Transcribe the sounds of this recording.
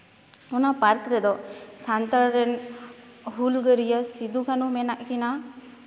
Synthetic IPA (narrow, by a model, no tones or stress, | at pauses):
unapaɾkɾɛd̪ɔsant̪aɾɛn | ɦulɡəɾijəsid̪ukanumɛnaʔkina